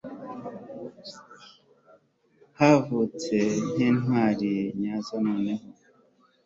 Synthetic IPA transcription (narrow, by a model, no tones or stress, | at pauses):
havut͡sen̥iːnwaːɾiɲazanoːneho